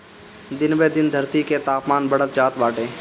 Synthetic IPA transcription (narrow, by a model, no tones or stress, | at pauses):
d̪ɪnbed̪ɪnd̪ʱəɾt̪iket̪aːpmaːnbəɽ̤ət̪̚d͡ʒaːt̪ʋaːʈeː